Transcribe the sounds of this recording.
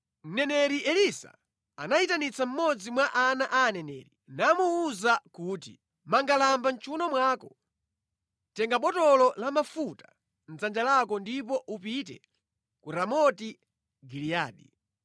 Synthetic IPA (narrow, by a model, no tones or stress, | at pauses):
n̩nɛnɛɾiʔɛlisa̰ | a̰naitanit͡sam̩mɔd͡zimwaʔanaʔaːnɛnɛ̰ɾinamuːzakuːtḭ | maŋɡalambant͡ʃʰunɔmwaːkɔ | tɛŋɡaɓɔtɔlɔlamafutḁ | n̩zand͡ʒalakɔndip̬ɔʔupit̬ɛ | kuɾamɔti | ɡilijaːɗi